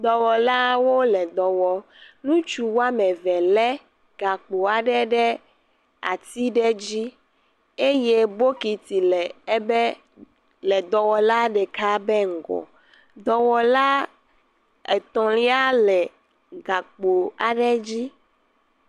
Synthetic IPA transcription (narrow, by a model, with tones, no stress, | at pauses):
d̪ɔ˨wɔ˨la˦wo˦lɛ˨d̪ɔ˨wɔ˨ | nũ˦t͡ʃu˦wo˦a˦mɛ˨vɛ˨lɛ˦ | ɡ̥a˨k͡po˨a˨ɖɛ˦ɖɛ˦ | a̰˨t̪i˦ɖɛ˦d͡ʑi˦ | e˦je˦bo˦ki˨t̪i˨lɛ˨ɛ˦bɛ˦ | lɛ˨d̪ɔ˨wɔ˨la˦ɖɛ˨ka˦bɛ˦ŋ̩˨ɡɔ̰˨ | d̪ɔ˨wɔ˨la˦ | e˨t̪ɔ̃˨li˦a˦lɛ˨ | ɡa˨k͡po˨a˨ɖɛ˦d͡ʑi˦